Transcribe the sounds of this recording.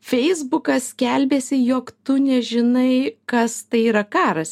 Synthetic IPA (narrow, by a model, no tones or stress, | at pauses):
fʲɛɪzbʊkɐskʲɛlʲbʲeːsʲɪjoːkt̪ʊnʲɛʒʲɪnɐɪkɐst̪ɐɪiːɾɐkɑːɾɐs